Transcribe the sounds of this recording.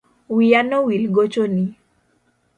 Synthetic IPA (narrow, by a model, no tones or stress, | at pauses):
wijanowilɡot͡ʃoni